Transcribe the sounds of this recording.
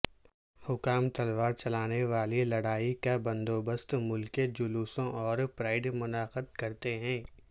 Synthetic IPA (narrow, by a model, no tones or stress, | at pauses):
hʊkaːmt̪ɐlʋaːɾt͡ʃɐlaːneʋaːlilɐɽaːikabɐ̃nd̪oːbəst̪mʊlked͡ʒʊluːsõʔɔːɾpɾaːɪɖmʊnaːqəd̪kɐɾt̪eɦɛ̃ː